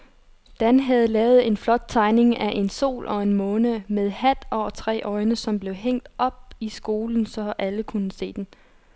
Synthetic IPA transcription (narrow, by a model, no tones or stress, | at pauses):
d̥ænɦæð̞̩ˠlɛːʊð̩ˠe̝nflɒ̽d̥̚t͡sʰɑ̈ɪne̝ŋæʔe̝nso̝̰ːlʔɒ̽e̝nmɔ̽ːnəmeðˠhæd̥ɒʊ̰ɐt͡sʰʁɛ̰ːʔɒ̽ɪnəsɒ̽mb̥le̝ʊɦeŋ̰d̥ʔɒ̽b̥̚isɡ̥o̝ːln̩sɒ̽ʔæləkʰunəse̝̰ːd̥en